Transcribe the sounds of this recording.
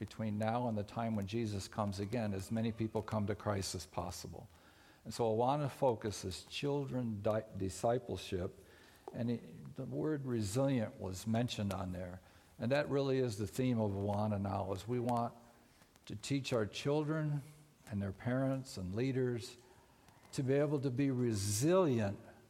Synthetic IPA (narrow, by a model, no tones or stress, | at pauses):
b̥ɨtʰw̥ĩnːaʊə̃nðɨtʰãɪ̃mwɨ̃nd͡ʒizɨskʰʌ̃mzɨɡɛ̃nɨzmɛñipipl̩ˠkʰʌ̃mtɨkʰɹ̥aɪstɨz̥pʰɑ̰səbl̩ˠ | ə̃nsoʊəwɑnəfoʊkɨsɨz̥t͡ʃʰɪlˠdɹɨ̃ndɪdɨsaɪpl̩ˠʃɪp̚ | ɨ̃nðəwɜ˞d̚ɹɨzɪlˠjɨ̃nʔwʌ̰zmɛ̃nʃɨ̃ndn̩ðə˞ | ɨ̃nðɨʔ̚ɹɪlˠiɪzðɨθĩmʌvəwɑnənaʊəzwiwɑ̃n | tʰɨtʰit͡ʃaʊə˞t͡ʃʰɪlˠdɹɨ̃n | ɨ̃nðə˞pʰɛɹə̃ntsə̃nliɾə˞z̥ | tʰɨbieɪbl̩ˠtɨbiɹɪzɪlˠjɨ̃nt̚